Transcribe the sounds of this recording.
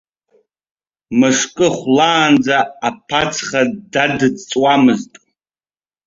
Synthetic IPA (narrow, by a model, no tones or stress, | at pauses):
mɨʂkʼɨχʷlaːnd͡zaːpʰat͡sʰχadadɨt͡sʼwamɨztʼ